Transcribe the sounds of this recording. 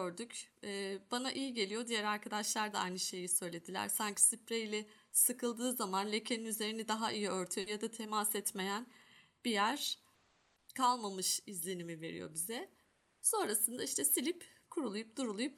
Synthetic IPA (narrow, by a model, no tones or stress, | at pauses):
øɾd̪ycɛːb̥anaʔijiɟe̞lʲijo̞d̪ijæɾaɾkʰad̪aʃlˠaɾd̪aa̰jnɯʃe̞jisø̞jlʲe̞d̪ilʲæ̰ɾ̥saɲcʰi̥sipɾeilʲɛ | sɯkʰɯlˠd̪ɯːzamanlʲe̞cʰe̞ninyze̞ɾinid̪aɦaʔijiø̞ɾt̪ʰyjjad̪at̪ʰe̞masɛt̪me̞jænb̥ijæɾ̥ | kʰalˠmamɯʃizlʲe̞nimive̞̰ɾḭjo̰bizɛ | so̞nɾasɯnd̪aiʃt̪ʰɛsilʲipkʰuɾulˠujup̚d̪uɾulˠujup